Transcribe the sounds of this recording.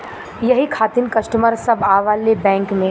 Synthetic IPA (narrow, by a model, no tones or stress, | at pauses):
jɐɦikʰaːt̪inkɐsʈəməɾsɐbaːʋaːlːebɛ̃ːŋkmẽ